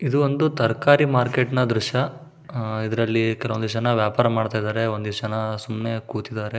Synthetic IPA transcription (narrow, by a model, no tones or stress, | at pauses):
id̪uond̪ut̪ɐɾkaːɾimaːɾkeːʈnɐd̪ɾuʂɐ | id̪ɐɾɐlːikɛlɐʋond̪iʂɐnːɐʋjaːpaːɾɐmaːɽt̪aːjid̪aːɾeond̪iʂɐnːɐsumne̞kuːt̪id̪aːɾe